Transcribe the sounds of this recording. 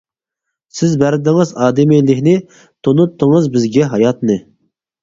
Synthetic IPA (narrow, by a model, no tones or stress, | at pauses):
sɪzbæɾd̪ɪŋɨzɑːd̪ɪmijlɪkʲnɪ | t̪ʰonut̪ʰːɨŋɨzbɪzɡʲɛɦɑjɑt̪nɨ